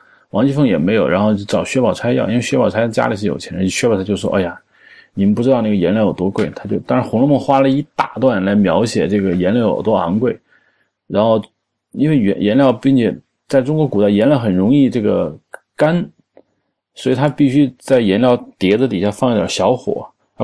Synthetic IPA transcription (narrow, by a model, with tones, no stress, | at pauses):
wɑ˧˥ŋt͡ɕi˥fɤ˥˩ŋjɛ˨˩me˧˥ɪjo˨˩ʊɻa˧˥nxo˥˧ʊt͡ɕo˥˩ʈ͡ʂɑ˨˩ʊɕɥɛ˥pɑ˨˩ʊt͡sʰa˥ɪjʊʔi˥n˥e˥˧ɕɥɛ˥pɑ˨˩ʊʈ͡ʂʰa˥˩t͡ɕja̰˥li˨˩ʂ̬̩˥˩jo̰˨˩ʊt͡ɕʰɛ˧˥n˥˩ɕɥɛ˥˩t̪ʰa˥jo˥˧ʂɔ̰˥ʔa˥˩ja˨˩ | ni˨˩mə˧npu˥˩ʈ͡ʂɻ̩˥d̪ɑ˥˧n˥˩ɡə˩jɛ˧˥nljjo˨˩ʊt̪wɔ˥kwe˥˩ɪt̪ʰa˥t͡ɕjo˥˧ʊt̪ɑ˥ŋɻa˧˥nxʊ˧˥ŋlɔ˥mə˥˩ŋxwa˥lə˨i˧˥t̪a̰˨˩t̪wa˥˩nla˧˥ɪmjɑ˧˥ʊɕjɛ˨˩ʈ͡ʂɤ˥˩ɡə˩jɛ˧˥nljɑ˧˥ʊjo̰˨˩ʊt̪wɔ˥a˧˥nkwe˥˩ɪ | ɻa˧˥nxo˥˧ʊ | i˥nwe˥˧˥jɛ˧˥nljɑ˥˧ʊpi˥˩ŋt͡ɕʰjɛ˨˩ | t͡sa˥˩ɪʈ͡ʂʊ˥ŋkwɔ˧˥ku˨˩t̪a˥˩ɪjɛ˧˥nljɑ˧˥xə˨˩nɻʊ˧˥ŋi˥˧ʈ͡ʂɤ˥˩ɡə˩ | ka˥n | swɔ˧˥i˨˩t̪ʰa˥pi˥˩ɕy˥t͡sa˥˩ɪjɛ˧˥nljɑ˥˧ʊt̪jɛ˧˥d͡zə˧t̪i˨˩ɕja˥˧fɑ˥˧ŋi˥˩jə̰˨˩ɕjɑ˧˥ʊxwɔ̰˨˩˦